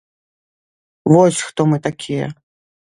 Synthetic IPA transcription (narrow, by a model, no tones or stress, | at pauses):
vɔsʲxt̪ɔmɨt̪akʲʰijɛ̰